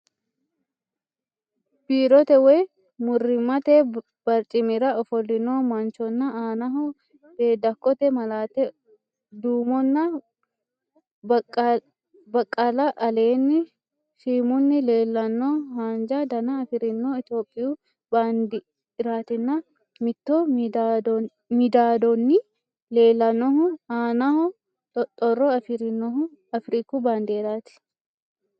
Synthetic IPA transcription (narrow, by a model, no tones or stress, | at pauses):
b̥iːɾɔt̪ɛwɛ | mʊrːɪmːɐt̪ɛ | b̥ɐɾt͡ʃʼɪmɪɾɐɔfɔlːɪnoːmɐnt͡ʃɔnːɐaːnɐɦɔ | b̥eːd̪ɐkʼːɔt̪ɛmɐlaːt̪ɛ | d̪uːmɔnːɐ | bɐkʼːɐlɐʔɐle̞ːnːɪ | siːmʊnːɪle̞ːlːɐnːohaːnd͡ʒad̪ɐnɐːfɪɾɪnːoːɪt̪jo̞ːpʼːɪju | baːnd̪ɪː | ɾaːt̪ɪnːɐ | mɪt̪ːod̪ | mɪd̪aːd̪ɔnːɪ | le̞ːlːɐnːɔɦʊhaːnɐhɔ | t̪ʼɔrːɔɐfɪɾɪnːɔhʊ | ɐfɾiːkubaːnd̪eːɾaːt̪ɪ̥